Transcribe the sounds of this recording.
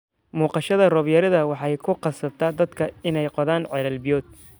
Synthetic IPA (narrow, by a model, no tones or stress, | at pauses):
muːqɑʃɐðɐrɔβjɐɾɐðɐwɑħɑjkʰʊqɑsɐb̚t̪ʰɐd̪ɐd̪kʰɐɪnɛjqɔðaːnʕɛlɐlbɪjɔːd̪̚